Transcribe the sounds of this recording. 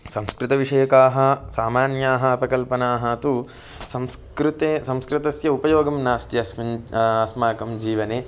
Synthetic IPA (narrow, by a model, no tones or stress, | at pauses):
sɐmskɾɪt̪ɐʋiʂɐjɐkaːɦɐ̆saːmaːnjaːɦɐɐpɾɐkɐlpɐnaːɦɐɐt̪u | sɐmskɾɪt̪esɐ̃mskɾɪt̪ɐsjɐupɐjoːɡɐmnaːst̪jɐsɐsmaːkɐmd͡ʒiːʋɐneː